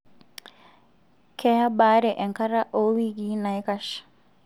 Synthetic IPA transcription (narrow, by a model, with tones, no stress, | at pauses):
kʰɛ˦ha˦baː˦ɾɛ˨ʔɛ˨ŋka˦ɾa˦ʔo˦wi˦ɡi˨˦na˨jkaʃ